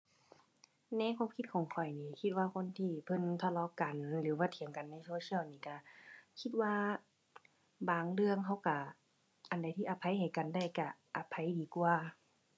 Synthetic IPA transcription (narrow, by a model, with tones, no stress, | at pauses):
nɛ˧˨kʰwa˧˥˨mkʰi˧˦t̪̚kʰɔː˨˦ŋkʰɔ˨˩jniː˧kʰi˧t̪̚waː˧kʰo˧˥˨nt̪ʰiː˧˩pʰɤ˧˥˨nt̪ʰa˧lɔː˧˦ka˨nlɯː˨˦waː˧t̪ʰi˨˦əŋka˨nːa˧˩jsoː˧si˦˧ə˨wniː˧˩ka˧˩kʰi˧t̪̚waː˧ | baː˨˧˩ŋlɯ˧əŋɦa˧˩wka˧˩ | ʔa˨˩nda˨˦jt̪ʰiː˧˨ʔa˧˦pʰa˧˦jɦa˨˩jka˨nda˧˩jka˧˩ʔa˨˧˩pʰːa˧˦jdiː˨˦ku˧ə